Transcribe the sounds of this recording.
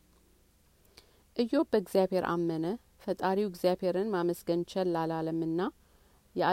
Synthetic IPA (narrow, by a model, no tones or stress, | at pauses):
ʔɨjo̞bəɡzjaβhe̞ɾʔa̰mːənə | fət̪ʼaɾiwɪɡzjaβhe̞ɾɨnmaməsɡənt͡ʃʰɛlːalaləmːɨnːa | jɛa